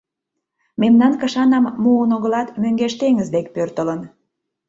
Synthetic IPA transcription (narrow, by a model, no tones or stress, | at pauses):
memnɑnkəʃɑnɑmːuənoɣəlɑt̪møŋɡeʃt̪eŋəzd̪ekpørt̪ələn